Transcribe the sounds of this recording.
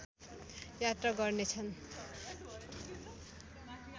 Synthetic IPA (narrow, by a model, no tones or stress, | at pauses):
jat̪raɡʌrnet͡sʰʌn